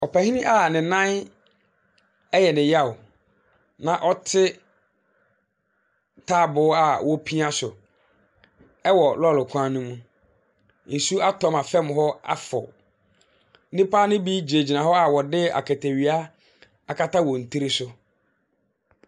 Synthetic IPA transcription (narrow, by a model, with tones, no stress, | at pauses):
ɔ˨pʰɛ˨hĩ˦nɪ̃˦ʔa˦˨nɪ̃˨nã˦n | ɛ˦jɛ˨nɪ̃˨ja˦˨wʊ˨ | nã˨ʔɔ˦tʰɪ˦ | tʰaː˦˨bʊ˨˦a˨wɔ˦pʰi˦ã˦sʊ˨ | ɛ˦wɔ˨lɔ˦˨lʊ˨kʷʰã˦nũ˦mũ˦ | n̩˨su˦a˦tʰɔ˦ma˨fɛ̃˦mɦɔ˦a̰˦fɔ̰˨˦ | nɪ̃˦pʰaː˦nɪ̃˦bi˦d͡ʑi˨ɾe˨d͡ʑi˨nã˨ɦɔ˦a˨wɔ˨dɪ˦a̰˨kʰæ˨tʰæ˨ɥi˨a˦ | a˨kʰa˦ta˦wɔ˨n̩˨tʰi˦ɾi˦sʊ˦